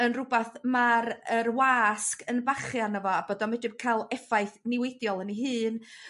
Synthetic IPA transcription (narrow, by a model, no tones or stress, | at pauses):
ənrʊbaθmaɾərwaskənbaχjanəvɔabɔdɔmɛdɪb̚kʰajlˠɛfajθnɪwɪdjɔlˠəniɦɨːn